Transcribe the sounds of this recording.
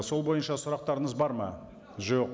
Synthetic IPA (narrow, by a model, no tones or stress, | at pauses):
so̞lˠbo̞jənʃɑsʊɾɑq̚t̪ɑɾəɴəzbɑɾmɑ | ʒo̞q